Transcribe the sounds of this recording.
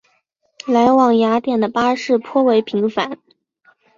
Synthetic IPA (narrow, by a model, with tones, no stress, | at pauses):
la˧˥ɪwɑ˨˩ŋja˧˥t̪jɛ˨˩nd̪ə˩pa˥ʂɻ̩˥˩pʰwɔ˥we˧˥ɪpʰi˧˥ŋfa̰˧˥n